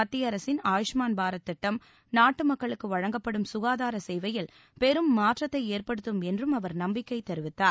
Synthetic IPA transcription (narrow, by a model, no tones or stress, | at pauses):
ɐt̪ːɪjɐɾɐsɪnaːjɪʂmaːnbaːɾɐt̪ːɪʈːɐm | naːʈːɯmɐkːɐɭɯkːɯʋɐɻɐŋɡɐpːɐɽɯmsʊɣaːðaːɾɐsɛjʋɐjɪl | pɛɾɯmːaːʈrɐt̪ːɐɪeːrpɐɽɯt̪ːɯmɛndrɯmɐʋɐɾnɐmbɪkːɐɪt̪ɛɾɯʋɪt̪ːaːɾ